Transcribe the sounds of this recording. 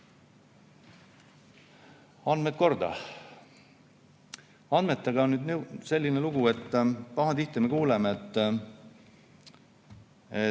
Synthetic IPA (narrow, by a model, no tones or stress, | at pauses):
ɑnd̪met̪̚ko̞rd̪̥ɑ̰ | ɑnd̪me̞t̪ˑːeɡ̥ɑonnyd̪nese̞lːine̞luɡ̥ue̞t̪ːpɑɦɑt̪iht̪ːˑemekuːlemeet̪ːˑ | e